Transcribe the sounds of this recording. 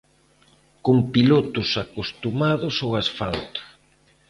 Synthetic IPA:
koŋpilot̪ʊsakost̪umaðʊsowasfalt̪o̥

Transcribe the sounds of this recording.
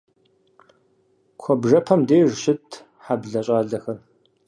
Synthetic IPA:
kʷʰɔbʐɐpʰɐmdeːʐʃɪtʰ | ħabɮɐɕʼaːɮɐxɐr

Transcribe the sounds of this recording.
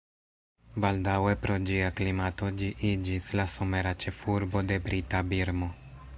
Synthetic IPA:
baldawe̞pɾo̞d͡ʒiaklimato̞d͡ʒiʔid͡ʒislaso̞me̞ɾat͡ʃe̞fuɾbo̞de̞bɾitabiɾmo̞

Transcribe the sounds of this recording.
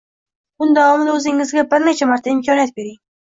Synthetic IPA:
bʊnd̪avɒmɪd̪aɵzɪŋːɪzɡʲabɪɾnet͡ʃʰamaɾt̪ʰaɪmkʲʰɒniat̪̚be̞ɾɪŋ

